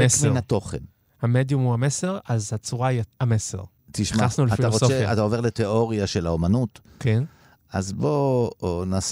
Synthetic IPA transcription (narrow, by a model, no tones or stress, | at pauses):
esmeʁnat̪o̞χen | hamed̪jumhuamese̞ʁazhat͡suʁaiaamesḛʁ | t̪iʃmaasnuleatfiaoʁosofeaa̰t̪aove̞ʁlet̪eo̞ʁjaʃelaomanut̪ | ken | ʔazbonaːs